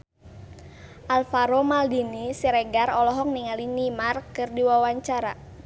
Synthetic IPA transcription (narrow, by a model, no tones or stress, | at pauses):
ʔalfaɾomaldinisiɾɛɡarɔlɔɦɔk̚niŋalinimarkɨrdiwawaɲt͡ʃaɾa̰